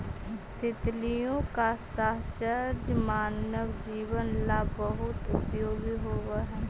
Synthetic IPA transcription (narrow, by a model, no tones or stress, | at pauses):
t̪ɪt̪lijõːkasəɦt͡ʃəɾd͡ʒmaːnəʋd͡ʒiːʋənlabəɦʊt̪ʊpjoːɡiɦoːʋaɦɛː